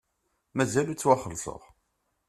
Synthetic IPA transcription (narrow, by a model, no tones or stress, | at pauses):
mæzælut͡sːwæχəlsə̰ʁ